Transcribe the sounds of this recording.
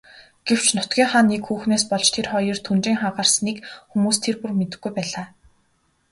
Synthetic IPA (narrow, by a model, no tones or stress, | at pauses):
ɡ̥ew̥t͡ɕnʊt̪ɡʲiːŋχanːekxuːxneːspɔɮt͡ɕt̪ʰerχɔjɞ̆rt̪ʰunt͡ɕiːŋχaɢarsniːkxumuːst̪ʰerpurmet̪ɘ̆ɡːujpæːɮaː